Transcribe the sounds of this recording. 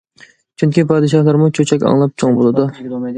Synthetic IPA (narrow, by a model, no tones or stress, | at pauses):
t͡ʃʰyŋkʲipʰɑːd̪ɨʃɑhlˠɑɾmut͡ʃʰøt͡ʃʰɛkʲɑ̰ŋlˠɑp̚t͡ʃʰoŋbolˠɨd̪u